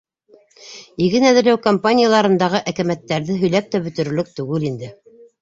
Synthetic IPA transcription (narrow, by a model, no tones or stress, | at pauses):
iɣɘnæðɘ̆ɾlæwkompanʲɪjalˠɑɾɤ̆nd̪ɑʁɤʔækæmæt̪ːæɾðɘɦɵ̆jlæp̚t̪æbɵ̆t̪ɵ̆ɾɵ̆lɘk̚t̪ʉɡɘlind̪ɘ